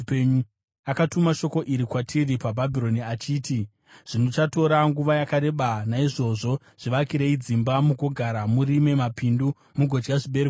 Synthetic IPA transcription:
peɲu | akatumaʃo̞ko̞ʔiɾikwatʰiripabʱabʱiɾo̞niat͡ʃiːti | ʐ̥ino̞t͡ʃato̞ɾaŋɡuʋajakaɾe̞ɓanaiʐo̞ʐo̞ | ʐ̥iʋakiɾeid͡zimbamuɡoɡʱaɾamurime̞mapindu | muɡʱod͡ʒɡaʐiɓe̞ɾek

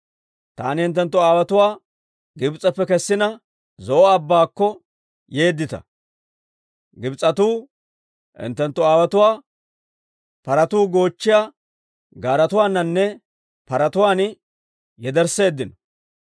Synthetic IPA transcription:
t̪a̰ːnɪhɪnt̪ːɛnt̪ːɔaːwɐt̪ʊwaː | ɡɪbt͡sʼːɐpːɛkɛsːɪnɐ | zɔʔɔɐbːaːkːɔ | je̞ːd̪ːɪt̪ɐ̰ | ɡɪbt͡sʼɐt̪uː | hɪ̰nt̪ːɛnt̪ːɔaːwɐt̪ʊwaː | pɐɾɐt̪uːɡo̞ːt͡ʃːɪjaː | ɡaːɾɐt̪ʊwaːnːɐnːɛ | pɐɾɐt̪ʊwaːn | jɛd̪ɛɾse̞ːd̪ːɪnɔ

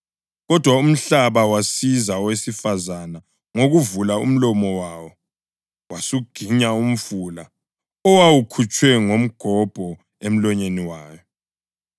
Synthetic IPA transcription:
ɣɔd̥ʱwaum̩ɬaβawasizawesifazana | ŋoɣuvulaṵm̩lɔmɔwaːwɔ | wasuɡ̥ʱiɲaum̩fuːla | ɔwawukʰut͡ʃʼwɛŋom̩ɡ̥ʱɔb̥ʱɔ | em̩lɔɲeniwaːjɔ

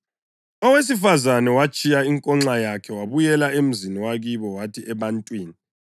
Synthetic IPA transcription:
ɔwes̬ifazanɛwat͡ʃʼijaiŋkʼɔŋ͡ǁajakʰɛwaβujɛlaem̩ziniwaɣiβɔwatʰiʔɛβantʼwiːni

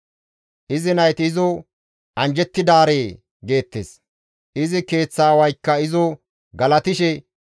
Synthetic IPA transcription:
ʔɪzɪnɐjt̪ɪzɔ | ʔɐnd͡ʒɛt̪ːɪd̪aːɾeː | ɡe̞ːt̪ːḛːs | ʔɪzɪke̞ːt͡sːaːwɐjkːɐɪzɔ | ɡɐlɐt̪ɪʃɛ

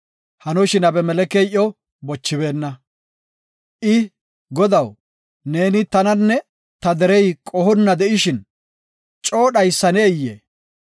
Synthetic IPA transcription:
hɐnɔʃɪnɐbɛmɛlɛkeːʔːɔ | bɔt͡ʃːɪbe̞ːnːɐ | ʔɪ | ɡɔd̪ɐw | ne̞ːnɪt̪ɐnɐnːɛ | t̪ɐd̪ɛɾɛjkʼɔhɔnːɐd̪ɛʔɪʃɪn | t͡ʃʼo̞ːɗɐjsːɐnɛːjːḛː

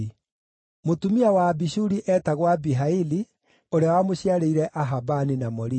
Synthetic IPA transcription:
motumiawaːbiɕuɾiʔɛːtaɣwabiɦaili | oɾeawamoɕiaɾeiɾɛʔaɦabaninamɔɾi

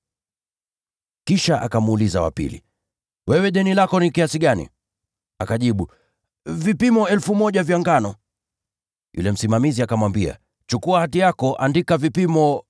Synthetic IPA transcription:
kiʃaʔa̰kamːlizawa̰pḭlḭ | wɛwɛɗɛnilakɔnikiasiɠanḭ | akaʄiɓu | vipimɔɛlfumɔʄavjaŋɡanɔ | jṵlɛm̩simamiziakamwambia̰ | t͡ʃukuahatijakɔʔa̰ndikavipimɔ

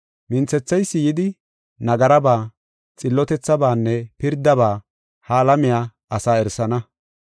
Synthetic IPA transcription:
mɪnt͡sːɛt͡sːɐjsːɪjɪd̪ɪ | nɐɡɐɾɐbaː | t͡sʼɪlːɔt̪ɛt͡sːɐbaːnːɛpɪɾd̪ɐbaː | haːlɐmɪjaː | ɐsaːɛɾsɐnɐ

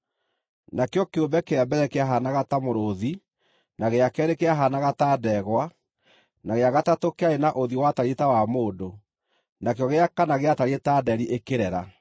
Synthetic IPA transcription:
nakeɔkeombɛkeɾambɛɾɛkeaɦanaɣatamoɾoði | naɣeakɛːɾekeaɦanaɣatadɛɣwa | naɣeaɣatatokeaenaʔoðiwataɾetawamoːdo | nakejɔɣeakanaɣeataɾietadɛɾiʔekeɾɛɾa̰

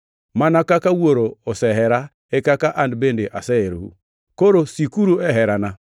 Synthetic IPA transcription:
manakakawuoɾoːsɛɦɛɾa | ekakaʔandbendeʔasɛeɾohṵ | koɾosikuɾuɛɦɛɾana

